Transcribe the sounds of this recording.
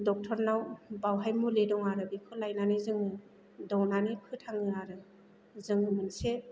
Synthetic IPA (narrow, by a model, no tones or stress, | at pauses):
dɔk̚tʰɔɾnawbawɦajmuledɔŋaɾɯbikʰɯlajnanizɯŋɯ | dɔwnanipʰɯtʰaŋɯaɾɯ | zɯŋɯmɯnse